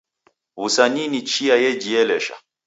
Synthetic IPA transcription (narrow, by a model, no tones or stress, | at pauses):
usaninit͡ʃiajɛd͡ʒiɛlɛʃa̰